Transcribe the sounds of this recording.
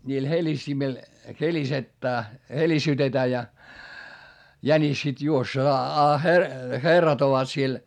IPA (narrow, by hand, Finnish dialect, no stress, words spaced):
nʲiːl helʲistimil helisetːæː helisytetæː jɑ jænis sit juosː ɑ herːɑt oʋɑt siel